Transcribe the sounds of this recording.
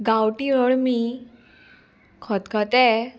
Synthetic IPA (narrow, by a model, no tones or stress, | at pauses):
ɡawʈiɾɔɭmi | kʰɔt̪kʰɔt̪ɛ